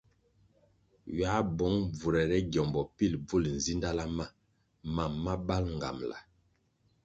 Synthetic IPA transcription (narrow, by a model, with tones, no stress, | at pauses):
ɥa˨˦bɔ˨˦ŋb͡vu˨ɾɛ˨ɾɛ˦ɡjɔ˨mbɔ˨pi˦lb͡vu˦˨ln̩˨zi˦nda˦la˦ma˦ | ma˨mːa˦ba˦lŋ˨ɡa̰˨mla̰˨